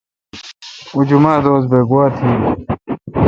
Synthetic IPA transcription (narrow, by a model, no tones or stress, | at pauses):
ud͡ʑumaːd̪oːz̬beːɡuaːt̪ʰiː